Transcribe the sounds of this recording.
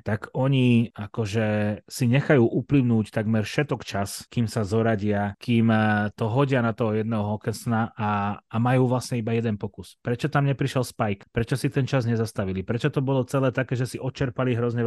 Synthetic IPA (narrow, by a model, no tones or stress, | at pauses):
t̪aɡɔɲiakɔʒɛsiɲɛxajuːʔupliʊnuːct̪aɡmɛɾfʃɛt̪ɔkt͡ʃaskimsazɔɾaɟɪakiːmt̪ɔɦɔɟɪanat̪ɔɦɔjɛd̪nɛːɦɔɦɔkɛnsnaʔaːmajuːʋlasɲɛibajɛd̪ɛnpɔkuspɾɛt͡ʃɔt̪amɲɛpɾiʃɛlspajkpɾɛt͡ʃɔsit̪ɛnt͡ʃazɲɛzast̪aʋilipɾɛt͡ʃɔt̪ɔbɔlɔt͡sɛlɛːt̪akɛːʒɛsiʔɔt͡ʃɛɾpaliɦɾɔzɲɛ